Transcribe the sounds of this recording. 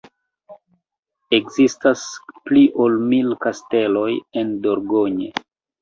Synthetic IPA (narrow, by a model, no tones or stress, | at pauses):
e̞kzistaspliʔolmilkaste̞lo̞je̞ndoɾɡoɲe